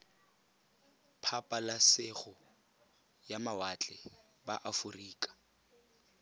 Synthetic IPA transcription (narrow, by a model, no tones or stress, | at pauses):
pʰapʼalasɪɣʊ | jamawat͡ɬʼɛ | baʔafuriːkʼḁ